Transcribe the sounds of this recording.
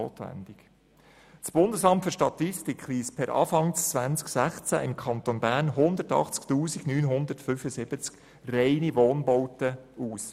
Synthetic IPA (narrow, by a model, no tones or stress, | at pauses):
o̰ːt̪ʋæ̰ndɪɡ̥ | t͡sb̥ʊnd̪əsɑmtfʏɾʃtɑt̪ɪstɪkχliːspʰɛɾʔɑ̰ːfɑŋt͡sʋænt͡sksæχt͡sæ̰ʔɪmkʰɑnt̪onbæːɾnɦʊnd̪əɾtɑ̰χt͡sktuːsiɡnyːnɦʊnd̪ərtfyːfəsɪb̥ət͡sk | rɛɪniʋoːnbɔwtəuːs